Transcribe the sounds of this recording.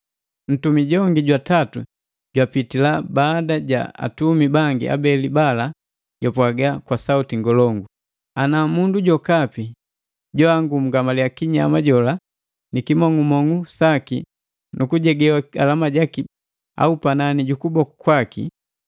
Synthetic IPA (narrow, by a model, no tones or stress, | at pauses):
n̩tumiɟɔŋɡiɟwatatu | ɟwapitilabaːdaɟa̰a̰tumibaŋɡia̰bɛlibala | ɟɔpwaɡakwasautiŋɡɔlɔŋɡu | anamunduɟɔkapi | ɟɔaŋɡum̩ɡamalijakiɲa̰maɟɔla | nikimɔŋumɔŋusakḭ | nʔukuɟɛɡɛwaa̰lamaɟaki | a̰upananiɟukubɔkukwakḭ